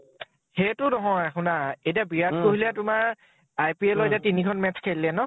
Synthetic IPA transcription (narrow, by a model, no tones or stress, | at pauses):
xejtʊnɔɦɔ̃akʰʊnaetiabijat̚koɦilɛtʊmaɹ | ajpiɛlojtɛtinikʰɔnmɛskʰellɛnɔ